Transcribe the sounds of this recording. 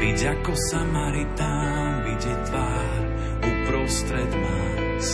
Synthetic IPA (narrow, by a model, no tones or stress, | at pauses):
iɟakɔsamaɾit̪a | viɟɛt̪ʋaː | ɾ | upɾɔst̪ɾɛd̪ma | s